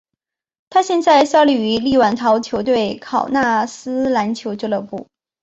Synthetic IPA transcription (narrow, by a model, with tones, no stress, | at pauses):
t̪ʰa˥ɕjɛ˥˧nt͡sa˥˧ɪsɑ˥li˥˩y˧˥li˥˩wa˨˩nt̪ʰɑ˧˥ʊt͡ɕʰjo˧˥ʊt̪we˥˩ɪkʰɑ˨˩ʊna˥˩sɹ̩˥la˧˥nt͡ɕʰjo˧˥ʊt͡ɕjo˥˧lɤ˥˧˩pu˥˩